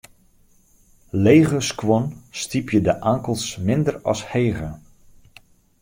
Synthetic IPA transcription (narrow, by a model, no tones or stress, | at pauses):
lejɣəskwɔnstipʰjədəʔaːŋkəlˠsmɪndərɔ̰sheːɣə